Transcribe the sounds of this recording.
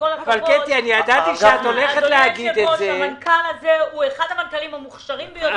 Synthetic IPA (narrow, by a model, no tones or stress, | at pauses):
kolaavalket̪ianiadat̪iʃeat̪o̞leχet̪leaɡidezeamankalazeueχadamankalimhamuχʃaʁimbejo